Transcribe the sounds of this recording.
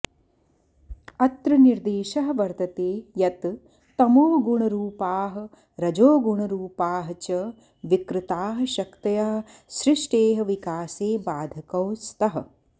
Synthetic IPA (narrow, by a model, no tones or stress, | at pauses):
ɐt̪ɾɐniɾd̪eːʃɐɦɐ̆ʋɐɾt̪ɐt̪eːjɐt̪ | t̪ɐmoːɡuɳɐɾuːpaːɦɐ̆ | ɾɐd͡ʒoːɡuɳɐɾuːpaːɦɐt͡ʃɐ | ʋikɾɪt̪aːɦɐ̆ʃɐkt̪ɐjaɦɐʃɾɪʂʈeːɦɐ̆ʋikaːseːbaːd̪ʱɐkɐwst̪ɐɦɐ̆